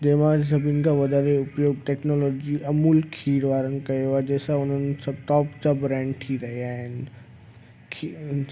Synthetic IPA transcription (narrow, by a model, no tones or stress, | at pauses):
d̪eːmãːɾsɐbʱinkʰãʋɐd̪ʱaːɾeʊpjoːɡ̚ʈeːknoːlɔːd͡ʑiʔɐmuːlkʰiːɾʋaːɾən̆kɐjoaːd͡ʑeːsaʊn̤ənɪ̆sɐb̚ʈ̪ɔːpd͡ʑabɾɛ̃ːɳɖʈʰiɾɐɦiaːɦɪnɪ̆ | kʰi